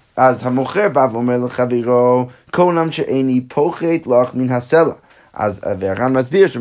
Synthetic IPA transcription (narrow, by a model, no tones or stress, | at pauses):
azhamuχəɹbavɔmɛlˠəχaveɾokʰonamʃəʔeɪnipʰoʊχeɪtlˠɔχmɪnɦasɛlˠə | a̰zveaɾanmasbiəʃ